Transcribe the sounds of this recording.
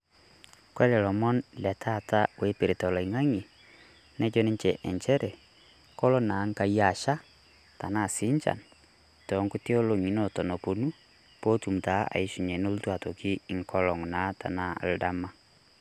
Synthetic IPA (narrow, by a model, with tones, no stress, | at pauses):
kwɛ˦lɛ˨lɔ˨mɔ˦nlɛ˨tʰa˦˨ta˦we˨˦pe˨ɾe˨tɔ˨lɔ˨i˨ŋa˦ŋi˨ | nɛ˦d͡ʒɔ˦ne˦ɲt͡ʃɛ˨ʔɛ˨ɲt͡ʃɛ˦ɾɛ˨ | kɔ˦lɔ˦na˨˦ŋ˦ka˨ja˨ʃa˦ | ta˨na˦˨si˦ɲt͡ʃa̰˨n | tɔ˨˦ŋku˦te˦o˦lo˨ŋi˨nɔ˨tɔ˨nɔ˨po˨nu˦ | po˦tu˨m̩˨ta˨˦a̰˨i˦ʃu˨ɲɛ˨no˦lu˦twa˨to˨ki˦i˨ŋkɔ˦lɔ˨ŋ˨na˨˦ta̰˨na̰˦˨lda˦ma˦